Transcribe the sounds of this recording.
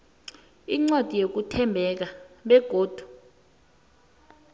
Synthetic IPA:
iŋ͡ǀwad̥ʱijok̬utʰɛmbʱɛk̬aɓɛɡ̥ʱoːd̥ʱu̥

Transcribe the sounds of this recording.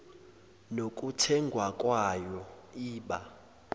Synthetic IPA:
nokʼutʰɛŋɡʱwakʼwajɔiːɓa̰

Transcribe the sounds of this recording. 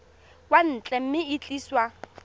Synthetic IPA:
wan̩t͡ɬʼɛm̩mɪit͡ɬʼiːswa

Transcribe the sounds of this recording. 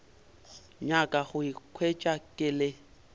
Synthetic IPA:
ɲakʼaɣʊikʰwet͡ʃʼakʼɪlɪ

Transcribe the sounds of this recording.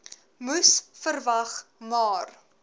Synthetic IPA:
musfərvɐχmɑːr

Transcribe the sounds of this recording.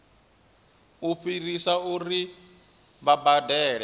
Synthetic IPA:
uɸirisauri | βabadɛːɺɛ

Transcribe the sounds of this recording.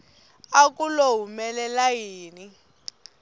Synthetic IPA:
akʼuloɦumɛlɛlajiːni

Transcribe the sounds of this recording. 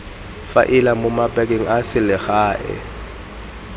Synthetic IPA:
fa̰ʔɪlamʊmapʼɛk̬ʼeŋ̩asɪlɪɣaːʔɛ̰

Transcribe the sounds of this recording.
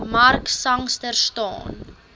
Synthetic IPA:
mɐrksɐŋstərstɑ̰ːn

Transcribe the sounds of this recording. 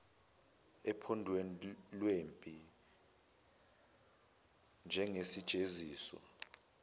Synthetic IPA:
ɛpʰɔndʱwenlwempʼi | nd͡ʒʱɛŋesid̥ʒ̥ʱeziːsɔ̰

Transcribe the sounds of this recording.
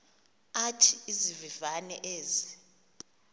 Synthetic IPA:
atʰiizivivanɛ̰ʔeːzi

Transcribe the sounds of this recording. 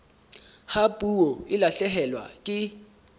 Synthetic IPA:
hapʼuoɪlaɬɛɦɛlwa̰kʼɪ

